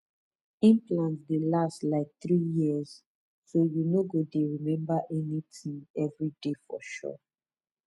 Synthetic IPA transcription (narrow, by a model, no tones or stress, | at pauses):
ĩmpluɛ̃nsdelastlaɪk̚θɹijiəz̥ | sojunoɡodeɹimɛ̃mbaʔɛnitʰĩŋɛvɹidefɔ̰ʃɔ̰